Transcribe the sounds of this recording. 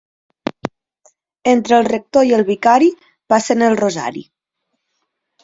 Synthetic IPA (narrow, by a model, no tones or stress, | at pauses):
ent̪ɾəlˠrək̚t̪oiəlˠβikaɾi | pasənəlˠroza̰ɾḭ